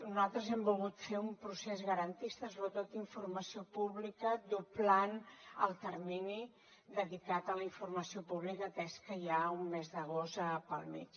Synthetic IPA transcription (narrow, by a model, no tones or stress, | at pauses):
nuzalˠt̪ɾəzɛmbulˠɣut̪feumpɾusezɣəɾənt̪ist̪əsoβɾət̪ot̪iɱfurməsiopuβlikəd̪uplanə̰lˠt̪əɾmini | d̪əðikat̪ələiɱfurməsiopuβlikət̪ɛskəjaumːezðəɣ̞ost̪əpəlˠmḭt͡ʃ